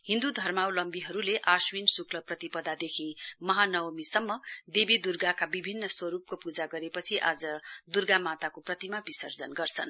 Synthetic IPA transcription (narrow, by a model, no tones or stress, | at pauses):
ɦĩnd̪ud̪ʱʌrmawlʌmbiɦʌɾuleʔaswinsukʰlʌprʌt̪ipʌd̪ad̪ekʰimʌɦanʌwmisʌmːʌd̪ebid̪urɡakabibʱinːʌswʌɾup̚kopud͡zaɡʌɾepʌt͡sʰiʔa̰d͡zʌd̪urɡamat̪akoprʌt̪imabisʌrd͡zʌnɡʌrt͡sʰʌ̰n